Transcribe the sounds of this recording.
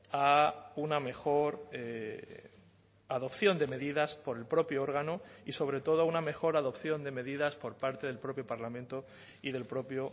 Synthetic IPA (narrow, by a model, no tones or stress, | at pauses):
auname̞xo̞ɾe | aðo̞pθjo̞nd̪e̞me̞ðiðaspo̞ɾe̞lpɾo̞pjoo̞ɾɣ̞anoiso̞β̞ɾe̞t̪o̞ð̞oauname̞xo̞ɾaðo̞pθjo̞nd̪e̞me̞ðiðaspo̞ɾpaɾt̪e̞ð̞e̞lpɾo̞pjo̞paɾlamẽnt̪o̞ | iðe̞lpɾo̞pjo